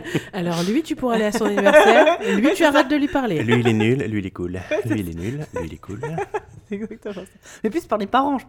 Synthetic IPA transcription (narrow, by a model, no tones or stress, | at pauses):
alɔʁlɥit̪ypuʁaleasɔ̃nivɛʁɛʁlɥit̪yaʁɛt̪̚d̪əlɥipaʁlelɥiːlɛnyllɥiːlɛkulilɛ̰nyllɥiilɛ̰kʰulsɛɡzak̚t̪əmɑ̃samɛplyspaʁlepaʁɑ̃ʒ